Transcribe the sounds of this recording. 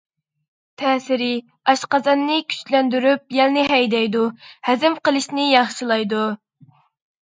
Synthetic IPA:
t̪ʰɛːsɪɾɪ | ɑʃqɑzɑnːɨkʲʰy̥t͡ʃlɛnd̪yɾyp̚jɛlnɪɦɛjd̪ɛjd̪uhæzɪmqəlˠɨʃnɪjɑχʃilˠɑjd̪u

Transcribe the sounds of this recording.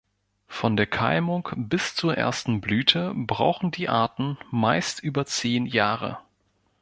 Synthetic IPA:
fɔndeːɐkʰa̰ɪmʊŋkb̥ɪst͡suːɐʔḛːɐstn̩blyːtʰəbʁa̰ʊxn̩diːʔaɐtn̩maɪstʔyːbɐt͡seːnjaːʁə̰

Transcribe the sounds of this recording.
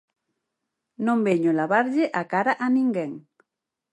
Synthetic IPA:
nombeɲolaβaɾʎeʔakaɾaʔaniŋɡeŋ

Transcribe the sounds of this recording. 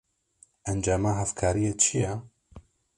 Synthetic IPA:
ɛnd͡ʒaːmaɦɛfkʰaːɾijet͡ʃʰijɛ

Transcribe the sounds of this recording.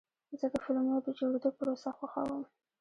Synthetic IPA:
zəd̪əfʊlmjod̪əd͡ʒoɽed̪opəɾosaxwaxa̰wəm

